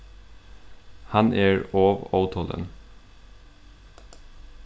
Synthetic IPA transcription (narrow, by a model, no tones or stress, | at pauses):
hɑnʔæːɹoːʋɔʊt̪ʰhɔlə̰n